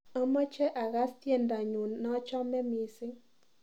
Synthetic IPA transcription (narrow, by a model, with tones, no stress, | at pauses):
a˦mɔ˦t͡ʃɛ˦ʔa˨ɣa˦stje˦˨nda˨ɲu˨nːɔ˦t͡ʃɔ˦mɛ˦mi˨sɪ˦ŋ